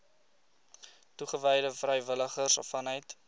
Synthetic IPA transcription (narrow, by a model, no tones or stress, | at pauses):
tuχəvɛjdəfrɛjvələχərsɔfɐnəjt